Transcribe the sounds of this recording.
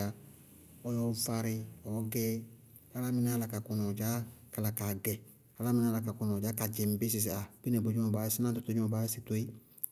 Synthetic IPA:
a˨ | ɔ˦jɔ˦fa˧ɾɪ˧ɔ˨˦ɡɛ˦ | a˨˦la˦mɪ˨na˦la˨ka˨kʊ˨nɔ˨d͡ʒa˦ka˨la˨ka˨ɡɛ˨ | a˨˦la˦mɪ˨na˦la˨ka˨kʊ˨nɔ˨d͡ʒa˦ka˨d͡ʒɛ˨m˨bɪ˦s̬ɪ˨s̬a˨bi˦nɛ˨bo˨d͡ʒɔ˦˨baː˨˦sɪ˦nã˦tʊ˨to˦d͡ʒɔ˨ba˦sɪ˨to˦i˦

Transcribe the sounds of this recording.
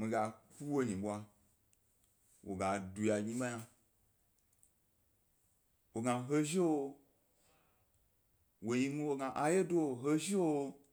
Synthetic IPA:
mĩ˧ɡa˨ku˦wo˧ɲĩ˨ɓʷa˧ | wʔo̰˨ɡa˨du˧ja˨ɲĩ˧ɓa˦ja˧ | wo˨ɡã˧ɦe˦ʒi˦wo˧ | wo˨ji˧mĩ˧wo˧ɡã˧ʔa˧je˦do˦o˨ɦe˦ʒi˦wo˧

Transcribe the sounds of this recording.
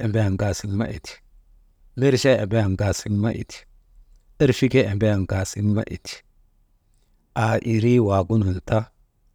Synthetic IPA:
e˨mbe˦ja˨ŋɡa˨si˦nma̰˦ʔḭ˨ti̥˨ | mi˦ɾʃa˦e˨be˦ja˨nɡa˨si˦nma̰˦ʔḭ˨ti̥˨ | i˦ɾfi˦ke˦e˨mbe˦ja˨ŋɡa˨si˦nma̰˦ʔḭ˨ti̥˨ | a˨ʔi˨ɾi˦wa˨ɡu˦nu˨n˨ta˦

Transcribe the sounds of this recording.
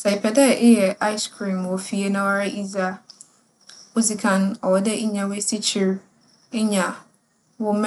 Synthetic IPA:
sɛ˨i˨pʰɛ˨dɛ˦˨ʔɪ˦jɛ˨a˦ɪ˦skʰɾĩ˨m˨wɔ˨fi˦e˦nã˦wa˦ɾɪ˦ʔi˦za˦ | ʊ˦zi˨kʰã˨n˦ɔ˨wɔ˨dɛ˦ʔɪ˦ɲã˨we˦si˦t͡ɕʰi˨˦ɾ | ɪ˦ɲã˨ | wʊ˦m

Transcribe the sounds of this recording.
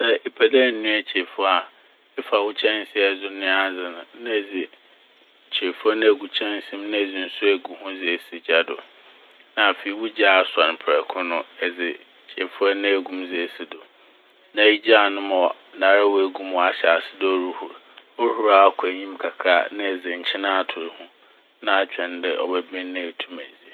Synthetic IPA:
sɛ˦e˨pʰæ˨dɛ˦˨n̩˨nũ˦æ˨t͡ɕʰe˨fʊ˦a˨ | ɛ˦fa˨wʊ˦t͡ɕʰɛ̃˦n˦sɪ˦ɛ˦zʊ˦nɪ̃˦a˦zɪ˨nʊ̃˨nã˦˨d͡zɪ˨ | t͡ɕʰe˨fʊ˦a˦nɪ̃˦æ˨ɡu˨t͡ɕʰɛ̃˦n˦sĩ˦mnɪ̃˦˨d͡zi˨n̩˦˨sʊ˦æ˨ɡu˨hʊ̃˦zɪ˨e˨si˨d͡ʑa˦dʊ̰˨ | nã˨fe˨i˨˦wʊ˦d͡ʑa˦˨sa˨n˨pʰɛ˨kʰʊ̃˦nʊ̃˦ɛ˨d͡zɪ˨ | t͡ɕʰe˨fʊ˦a˦nɪ̃˦æ˨ɡũ˦md͡zɪ˦˨si˦dʊ˨ | nã˨˦i˦d͡ʑa˦˨nʊ̃˦mɔ˨ | nãː˨ɾa˦wɔ˦˨æ˨ɡũ˦mɔ˨a˨ɕɛ˨a˨sɪ˦dɪ˦ɔ˦ɾu˦hu˨ɾɔ˦hu˦ɾa˨a˦kʰʊ˨æ˨ɲĩ˦mkʰa˨kʰaː˦nɪ̃˦ɛ˨zɪ˨ɲ̩˨t͡ɕʰɪ˦nã˦a˨tʰʊ˨ɾhʊ̃˦ | nã˦a˨t͡ɕᶣɛ̃˨n˦dɛ˨ʔɔ̰˨bɛ˦bĩ˦n˦nːɪ̃˦˨tʰu˦mæ̃˨d͡zi˨˦e˨

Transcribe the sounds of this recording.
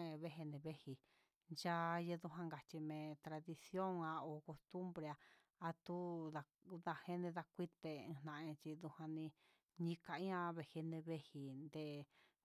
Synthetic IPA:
ẽ˧βe˦ɦe˧nẽ˧βe˦hi˨ | d͡ʒa˦˧je˧ðu˧ɦã˧ŋɡa˨t͡ʃi˧mẽ˧t̪ɾa˧ði˧sjo˦ŋã˧o˨ko˧st̪u˦mbɾe˧a˧ | a˧t̪u˦ða˧ | d̪a˧he˧nẽ˧ða˧kʷi˦t̪e˧ĩ˧n̥ã˧ʔẽ˧t͡ʃi˧ðu˧hã˧nĩ˧ | ɲĩ˧ka˧ĩ˦ã˧βe˧he˧nẽ˧βe˦hi˧nd̪e˧

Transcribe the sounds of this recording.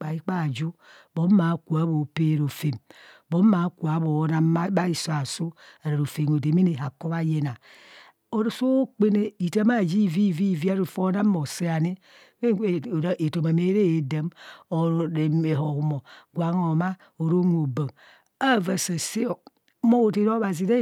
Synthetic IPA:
k͡pa˨i˦k͡pa˦˨d͡ʒu˦bo˨˦m˦ma˨˦ku˨a˨˦bo˨pe˦˨ɾo˨fe˨mbo˦m˦ma˨˦ku˨a˨˦bo˨˦na˦a˦ba˦i˦˨so˦a˨so˦a˨ɾe˨ɾo˨fe˨ŋo˨de˨mi˦e˨ɦa˨ko˦βa˦je˦na˨ | o˨ɾo˨so˦k͡pe˦ne˦i˨ta˦ma˦˨d͡ʒi˦˨vi˦˨vi˦˨vi˦a˦ɾu˨fo˦na˦m˦o˨se˦a˨ne˦ | we˦˨˦ʔe˨to˨ma˨me˦ɾe˦e˨da˨mo˨ɾe˨e˨ɦo˨ɣu˨mo˨ɡʷa˨˦ŋ˦o˨ma˦ | o˨ɾo˦nʷ˦˨o˨bo˨ŋ | a˦˨va˨sa˨se˦o˨˦ | mo˦o˨te˨ɾo˦βa˨zi˨ɾe˦

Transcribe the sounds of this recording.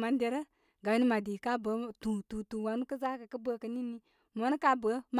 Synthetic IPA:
ma˨n˦dɛ˨ɾə˦ | ɡa˨u˦ni˦ma˨di˨ka˦bə˨˦tũ˨tũ˨tũ˨wa˨nu˦kə˦za˦kɨ˨kɨ˦bə˦˨kə˧˨ni˦ni˦ | mɔ˨˦nə˦ka˦bə˨˦m

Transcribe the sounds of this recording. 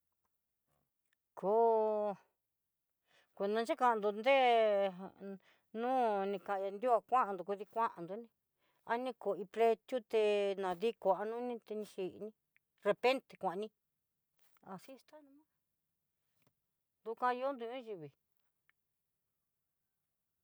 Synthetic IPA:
kʰoː˧ | kʷe˨nd̪ã˧nt͡ʃa˦ka˧˨˧nd̪u˧nd̪e˦ | nũː˦nĩ˧kã˨ʔã˧ja˧nd̪ju˦a˧kʷã˦ʔã˧nd̪u˨ku˧ði˧kʷã˦ʔã˨nd̪u˧˦nĩ˧ | a˧nĩ˦˧ko˨i˧ple˧t̪ju˦t̪e˧nã˨ði˦ko˨a˧nũ˦nĩ˧t̪e˧nĩ˧ʃi˨ʔnĩ˧ | re˧pe˦nt̪e̥˨kʷã˨ʔnĩ˧ | a˧˨si˦˧st̪a˦nũ˧mã˦ | nd̪u˧kʷã˧jo˦nd̪u˧ɲõ˦ʒi˧βi˨

